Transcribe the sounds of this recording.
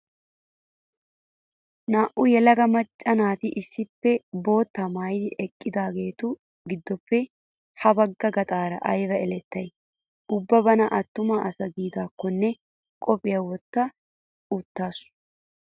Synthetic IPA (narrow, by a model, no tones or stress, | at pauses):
naːʔʊjɛlɐɡɐmɐt͡ʃʼːɐnaːt̪ɪʔɪsːɪpːɛbo̞ːt̪ːɐmajd̪ɪʔɛkʼːɪd̪aːɡe̞ːt̪ʊ | ɡɪd̪ːɔpːɛ | hɐbɐɡːɐɡɐt̪ʼaːɾɐʔɐjʋɐɛlɛt̪ːɐj | ʊbːɐbɐnɐʔɐt̪ːʊmaːʔɐsɐɡiːd̪aːkːɔnːɛ | kʼɔpʼɪjawɔt̪ːɐ | ʊt̪ːaːsʊ̥